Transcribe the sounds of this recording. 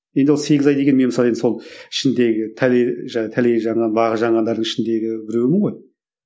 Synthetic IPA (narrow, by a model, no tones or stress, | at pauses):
je̞nd̪wolse̞ɡʲɪzɑjd̪e̞kʲenmenməsɑlˠenso̞lˠɪʃɪnd̪e̞ɡʲɪt̪ʰæleʒæt̪ʰæleʒɑɴʁɑnbɑʁəʒɑɴʁɑnd̪ɑɾd̪əɴɪʃɪnd̪e̞ɡʲɪbɪɾewɪmɪɴʁo̞j